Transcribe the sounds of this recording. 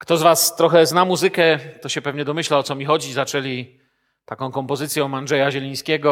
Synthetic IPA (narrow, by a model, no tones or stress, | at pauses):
kt̪ɔzvast̪ɾɔxɛznamuzɘkɛt̪ɔɕɛpɛvɲɛd̪ɔmɘɕlaɔt̪sɔmʲixɔd͡ʑizat͡ʂɛlʲi | t̪akɔ̃w̃kɔmpɔzɘt̪sʲjɛ̃anʐɛjaʑɛlʲij̃skʲɛɡɔ